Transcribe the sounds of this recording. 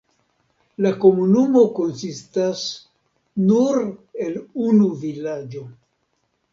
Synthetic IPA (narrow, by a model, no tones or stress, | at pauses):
lako̞munumo̞ko̞nsistas | nuɾe̞lunuvilad͡ʒo̞